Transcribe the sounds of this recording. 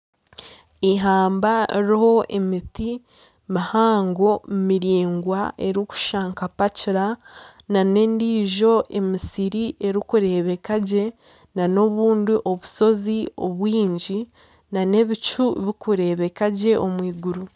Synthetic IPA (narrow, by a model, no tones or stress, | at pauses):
iɦaːmbaɾiho̞ʔe̞miti | mahaːŋɡo̞mmiɾiːŋɡwaʔe̞ɾiku̥ʃaːŋkapaciɾa | nane̞ndiːʒo̞ʔe̞misiɾiʔe̞ɾikuɾe̞βe̞kaɟe̞ | nano̞βuːndiʔo̞βuso̞zio̞βwiːɲɟi | nane̞βit͡ʃuβikuɾe̞ːβe̞kaɟe̞ʔo̞mwiːɡuɾu